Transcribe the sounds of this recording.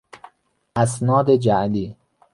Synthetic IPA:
ʔæsnɒːd̪ed͡ʒæʔliː

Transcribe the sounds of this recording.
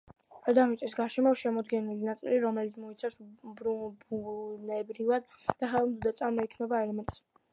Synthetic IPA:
ad̪amit̪ʼisɡaɾʃɛmɔʃɛmɔd̪ɡɛnilinat̪sʼḭliɾɔmɛlit̪sʰmɔit̪sʰafsbɾubunɛbɾivad̪d̪̥aχɛlˠmd̪ud̪at̪sʼaɾmɔikʰnɛbaɛlɛmɛnt̪ʼɛ̥s

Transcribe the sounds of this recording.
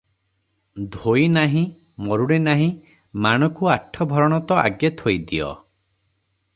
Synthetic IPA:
d̪ʱojnaɦĩ | mɔɾuɽ̃enaɦĩ | maɽ̃ɔkuaʈʰɔbʱɔɾɔɽ̃ɔt̪ɔʔa̰ɡjet̪ʰojd̪iɔ̰

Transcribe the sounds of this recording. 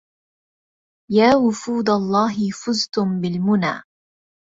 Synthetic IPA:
jaːwʊfuːd̪alˤːɑːɦɪfʊzt̪ʊmbɪlmʊna̰ː

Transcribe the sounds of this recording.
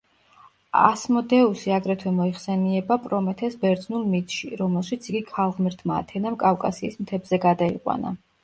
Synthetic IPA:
a̰smɔd̪ɛusiaɡɾɛt̪ʰwɛmɔiχsɛniɛbapʼɾɔmɛt̪ʰɛsbɛɾd̪znulˠmit̪ʰʼʃiɾɔmɛlˠʃit̪sʰiɡikʰalˠʁmɛɾt̪ʰma̰ːt̪ʰɛnamkʼafkʼasiːsmt̪ʰɛbzɛɡad̪aiqʼwa̰na̰

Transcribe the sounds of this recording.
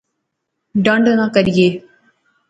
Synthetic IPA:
ɖə̃ɳɖənãːkəɾijeː

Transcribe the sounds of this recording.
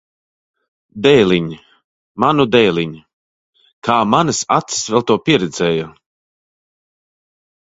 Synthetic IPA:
d̪ɛjlʲiɲi | manud̪ɛjlʲiɲ | kʰaːmanɨsa̰t̪si̥svɛlˠt̪uɔpʲiɛɾɛd̪zɛːja

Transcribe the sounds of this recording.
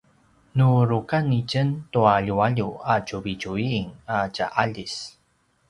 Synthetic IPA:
nuɾukanicəntuaʎuaʎuacuvicuiːŋaca̰ʔaʎis

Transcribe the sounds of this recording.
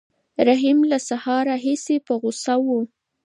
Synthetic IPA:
ɾaɦimlasahɑɾaɦisepəɣʊsawu

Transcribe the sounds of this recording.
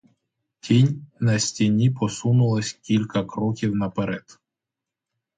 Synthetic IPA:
tʲʰinʲnɐsʲtʲinʲipɔsunʊlˠɐsʲkʲilʲkɐkɾɔkʲiwnɐpeɾɛd̪̥

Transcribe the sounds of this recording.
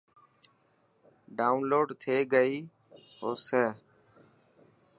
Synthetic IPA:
ɖaːʊnloːɖt̪ʰeːɡəiː | ɦoːseː

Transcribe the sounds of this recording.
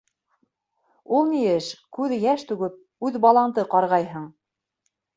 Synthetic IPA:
ulˠnijɘʃkʉðjæʃt̪ʉɡɘp̚ | ʉðbɑlˠɑnt̪ɤqɑɾʁɑjɦɤɴ

